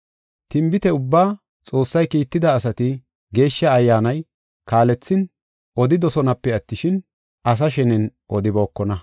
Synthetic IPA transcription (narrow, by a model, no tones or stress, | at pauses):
t̪ɪmbɪt̪ɛʊbːaː | t͡sʼo̞ːsːɐjkiːt̪ːɪd̪ɐːsɐt̪ɪ | ɡe̞ːʃːɐːjːaːnɐj | kaːlɛt͡sːɪn | ʔɔd̪ɪd̪ɔsɔnɐpːɛɐt̪ːɪʃɪn | ɐs̬ɐʃɛnɛnʔɔd̪ɪboːkːɔnɐ